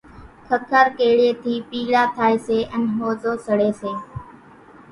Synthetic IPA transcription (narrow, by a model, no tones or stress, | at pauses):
kʰəkʰəɾkeːɽeːt̪ʰiːpiːlaːt̪ʰaːeːseːʔənɦoːzoːsəɽeːseː